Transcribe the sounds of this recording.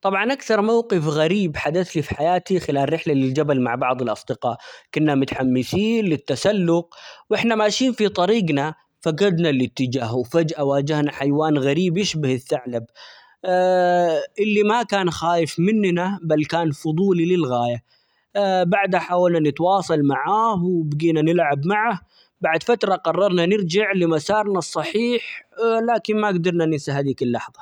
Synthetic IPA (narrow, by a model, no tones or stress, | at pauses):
t̪ˤɑbʕɑnʔakθɑɾˤmawqɪfɣaɾiːbħad̪aθlifi̥ħajaːt̪ixɪlaːlɾɪħlalɪld͡ʒabalmaʕbɑʕd̪ˤɪlʔɑsˤd̪ɪqɑ̰ːʔkʊnːamʊt̪ħamːɪθiːnlɪt̪ːasalːʊqwɪħnamaːʃiːnfit̪ˤɑɾiːɡna | faɡad̪nalɪt̪ːɪd͡ʒaːhwfad͡ʒʔawaːd͡ʒahnaħajwaːnɣaɾiːbjɪʃbɪhɪθːaʕlab | ʔɪlːimakaːnxaːjɪfmɪnːnabalkaːnfʊd̪ˤuːlilɪlɣaːja | baʕd̪haħaːwalnanɪt̪wɑːsˤɑlmaʕaːɦwbɡiːnanɪlʕabmaʕah | baʕad̪fat̪ɾˤɑqɑrˤːɑɾˤnanɪɾd͡ʒaʕlɪmasɑːɾˤnasˤːɑħiːħlaːkɪnmaɡd̪ɑɾˤnanɪsahaðiːkɪlːɑħðˤɑ̥